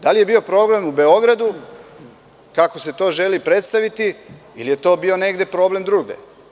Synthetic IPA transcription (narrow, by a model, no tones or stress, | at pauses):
d̪alije̞bio̞pɾo̞blemube̞o̞ɡɾad̪u | kako̞se̞t̪o̞ːʒe̞lipɾe̞t̪st̪aʋit̪iilije̞t̪o̞ːbio̞ne̞ɡd̪e̞pɾo̞ble̞md̪ɾuːɡd̪ḛ